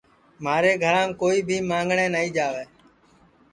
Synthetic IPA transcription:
maːɾeːɡʱəɾãːmkoːiːbʱiːmãːŋɡɳeːnəɦiːd͡ʒaːʋeː

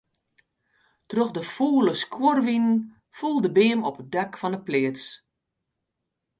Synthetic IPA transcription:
troxdəfuːləskʰworʋinən | fulˠdəbɪːəmɔpədakfɔnəplɪəs

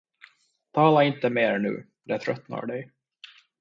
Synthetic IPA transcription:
t̪ʰɑːlaɪnt̪əmeːɾɳʉ̟̰ː | d̪ɛt̪ʰɾœt̪na̰ɾɖɛj

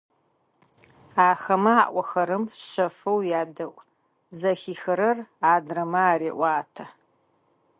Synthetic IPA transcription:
aːxɐmɐaːʔʷɔxɐɾɨmɕɐfɨwjaːdɐʔʷʼ | zɐxiːxɐɾɐraːdrɐmɐaːɾeːʔʷaːtʰɐ

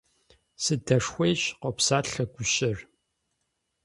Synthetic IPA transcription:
sɨdɐʂxʷejɕqɔpsaːɬɐɡʷʊɕʼɪr

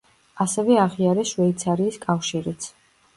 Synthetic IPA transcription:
asɛvɛaʁiaɾɛʃʃwɛit̪sʰaɾiːskʼafʃiɾit̪sʰ

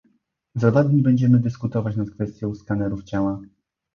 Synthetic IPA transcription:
zavad̪ʲɲibɛɲd͡ʑɛmɘd̪ɘskut̪ɔvat͡ɕnat̪kfɛst̪ʲjɔ̃w̃skanɛɾuft͡ɕawa

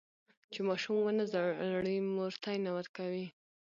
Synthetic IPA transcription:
t͡ʃemɑʃumwənazaɽəmoɾt̪ɑjnawəɾkawi

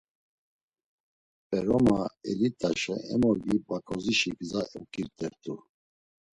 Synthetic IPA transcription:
pʼɛɾɔmaɛ̰lit̪ʼaʃɛ̰ɛmɔɾɡibakʼɔziʃiɡzaukʼiɾt̪ʼɛɾt̪ʰʼu

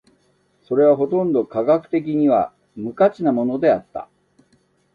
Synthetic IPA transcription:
so̞ɾe̞β̞aɦo̞t̪õ̞nd̪o̞kaɡakɯ̟̥t̪e̞k̬ʲiɲ̟iβa | mɯ̟kat͡ɕinamo̞no̞d̪e̞at̪ːa̰

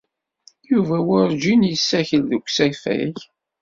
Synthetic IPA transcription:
juvæwʊɾd͡ʒinjəsːæçəlðəkʷːsæfæ̰ç

